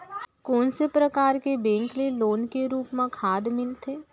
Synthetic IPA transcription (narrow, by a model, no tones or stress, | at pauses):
kɔːnsepɾəkaːɾkebɛ̃ːŋkleloːnkeɾuːpmãkʰaːd̪mɪlt̪ʰeː